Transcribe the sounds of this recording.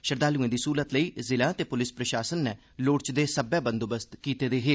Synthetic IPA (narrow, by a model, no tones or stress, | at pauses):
ʃəɾd̪aːluẽːd̪iːsuːlət̪ləiːzɪlãːt̪eːpʊlɪspɾəʃaːsənːɛː | loːɽt͡ʃd̪eːsəbɛːbənd̪obəst̪kiːt̪eːd̪eːɦeː